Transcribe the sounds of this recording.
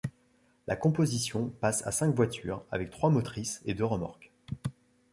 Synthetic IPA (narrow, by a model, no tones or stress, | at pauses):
lʔa̰kɔ̃pozisjɔ̃pasa̰sɛ̃kvwat̪y̰ːʁa̰vɛk̚t̪χwamot̪χised̪øʁəma̰ʁk